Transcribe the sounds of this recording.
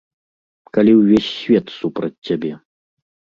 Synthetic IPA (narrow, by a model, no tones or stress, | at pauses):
kalʲiwvʲesʲːvʲɛt̪supɾɐt͡sʲːabʲɛ